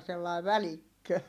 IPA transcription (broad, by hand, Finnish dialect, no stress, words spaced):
selːɑˑi̯ ʋælikːø